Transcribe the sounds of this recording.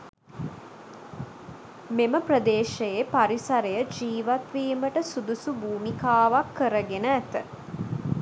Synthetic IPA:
meməprəd̪eːʃejepaɾisaɾejəd͡ʒiːʋat̪ʋiːməʈəsud̪usubuːmikaːʋakːəɾəɡenəæt̪ə

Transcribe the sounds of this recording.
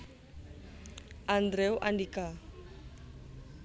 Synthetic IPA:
and̪ɾɛwʔaɳɖika

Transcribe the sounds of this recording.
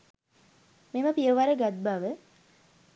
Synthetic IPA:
meməpijəʋaɾəɡat̪̚baʋə

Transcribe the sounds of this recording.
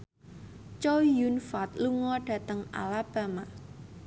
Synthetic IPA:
t͡ʃɔjunfat̪luŋɔɖ̥a̤t̪əŋa̰lab̥a̤ma

